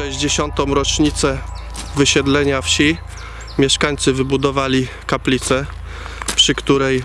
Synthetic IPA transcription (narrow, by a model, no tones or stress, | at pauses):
ɛʑd͡ʑeɕɔnt̪ɔ̃w̃ɾɔt͡ʂɲit̪sɛ | vɘɕɛd̪lɛɲafɕi | mʲjɛʂkaɲt̪sɘvɘbud̪ɔvalʲi | kaplʲit̪sɛ | pʂɘkt̪uɾɛj